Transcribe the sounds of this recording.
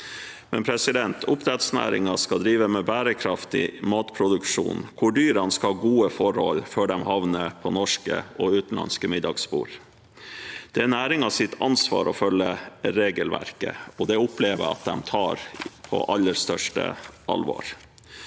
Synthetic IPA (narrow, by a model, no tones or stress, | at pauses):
mɛnpʰɾɛsɪd̪ɛnt̪ʰʊpt̪ɾɛt̪snæ̰ːɾɪ̰ŋɑskɑd̪ɾiːʋəmɛːbæːɾəkʰɾɑft̪ɪ̰mɑːt̪pʰɾʊd̪ʉkʂṵːnkʰʊɖyːɾɑnskɑhɑɡuːəfɔɾhɔ̰lføːɖɛmhɑʋnəpʰɔnɔʂkə̰ɔʉːt̪n̩lɑ̰nskəmɪd̪ɑɡspṵːɾ | d̪̥ɛænæːɾɪŋɑsɪt̪ʰːɑnsʋɑ̰ːɾʔɔfœlːəɾeːɡəlʋæ̰ɾkə̰ɔd̪ɛʊpleːʋəɾɑ̰t̪̚d̪ɛmt̪ʰɑːɾpʰɔ̰ʔɑlːəɾst̪œʂʈə̰ʔɑ̰lʋo̰ːɾ